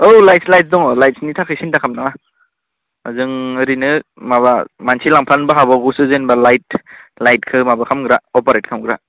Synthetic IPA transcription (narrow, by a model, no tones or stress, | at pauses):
owlajtslajt̚sdɔŋɔlajt̚snitʰakʰɯsintakʰamnaŋa | ɯzɯŋɯɾinɯmaβamansilaŋpʰanbaɦabawɡusɯzenbalajt̚lajt̚kʰɯmabakʰamɡɾaɔpaɾet̚kʰamɡɾa